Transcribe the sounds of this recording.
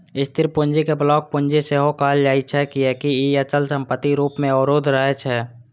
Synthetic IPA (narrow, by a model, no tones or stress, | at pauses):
ɪst̪ʰɪɾpʊnd͡ʒikeblɔːk̚pʊ̃ɲd͡ʒeseɦokaald͡ʒaːit͡ʃʰɛkiɛkiiət͡ʃəlsəmpət̪ːiɾuːpmẽɔɾoːd̪ʱɾəɦet͡ʃʰɛː